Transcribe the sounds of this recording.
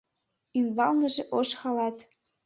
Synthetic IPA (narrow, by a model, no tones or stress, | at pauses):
ymβɑlnɤ̆ʒeʔoʃxɑlɑt̪